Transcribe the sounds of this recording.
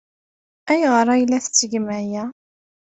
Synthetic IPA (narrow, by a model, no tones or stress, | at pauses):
æjəʁɾˤɑjlːæθət͡sːəɡmæjæ